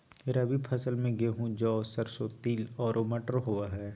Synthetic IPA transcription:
ɪɾɐbʱipʰɐsəlmẽɡeɦũd͡ʒɔːsəɾsot̪iːlɔːɾʔoməʈəɾɦoaɦɛː

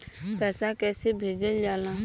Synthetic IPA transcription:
pɛːsakɛːsebʱeːd͡ʒəld͡ʒaːlãː

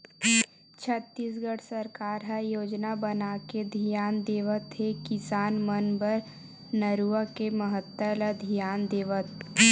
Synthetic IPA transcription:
t͡ʃʰət̪ːis̬ɡəɽʰsəɾkaːɾɦəjoːd͡ʒnabənaked̪ʱijaːnd̪eːʋət̪ɦekɪsaːnmənbəɾ | nəɾuakeməɦət̪ːələd̪ʱijaːnd̪eːʋət̪̚

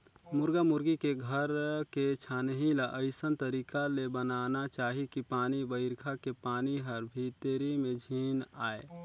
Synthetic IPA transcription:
mʊɾɡamʊɾɡikeɡʱəɾket͡ʃʰanɦilaʔəɪsənt̪əɾiːkalebənaːnat͡ʃaːɦikipaːnibəɪɾkʰakepaːniɦəɾbʱit̪eɾimẽd͡ʒʱiːnaːe

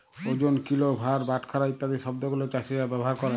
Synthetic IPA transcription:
od͡ʑonkilobʱaɾbaʈkʰaɾait̪ːad̪iʃɔb̚d̪oɡulot͡ɕaʃiɾabɛbɔɦaɾkɔɾa

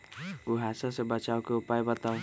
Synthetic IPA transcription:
uɦasasẽbət͡ʃawkeupajbət̪aw

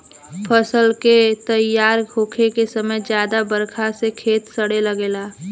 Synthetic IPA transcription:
pʰəsəlket̪əjːaːɾɡʱoːkʰekesəməjd͡ʒjaːd̪abəɾkʰasekʰeːt̪səɽeləɡeːlaː

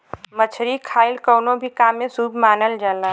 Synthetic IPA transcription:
mət͡ʃʰɾikʰaːɪlkoːnõbʱikaːmẽsuːbʱmaːnəld͡ʒalaː

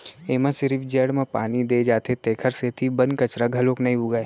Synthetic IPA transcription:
eːmãsɪɾifʰd͡ʒeːɽmẽpaːnid̪ed͡ʒaːt̪et̪eːkʰəɾset̪ʰibɐnkɐt͡ʃɾaɡʱɐlõːknɐĩɦuːɡae

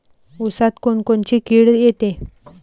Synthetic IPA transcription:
usat̪konkoɳt͡ɕikiɽjet̪e

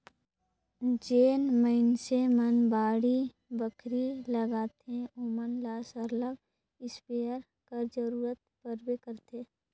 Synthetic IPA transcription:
d͡ʒeːnməɪnsemənbaːɽi | bəkʰɾiləɡaːt̪ẽoːmənlaːsəɾləɡ | ɪspeːəɾ | kəɾd͡ʒəɾuːɾət̪̚pəɾbekəɾt̪eː

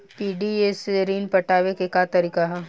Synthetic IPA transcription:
piːɖiesɾiːnpɐʈaːʋekekat̪ɐɾiːkaɦɛ

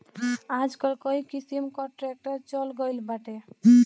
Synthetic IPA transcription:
ad͡ʒkɔlkɔikisimkɔɾʈɾek̚ʈəɾt͡ʃɔlɡəjlbaʈe

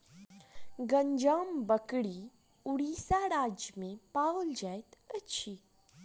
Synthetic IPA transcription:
ɡəɲd͡ʒaːmbəkɽi | uɽiːsaɾaːd͡ʒjəmẽpald͡ʒajt̪ət͡ʃʰiː

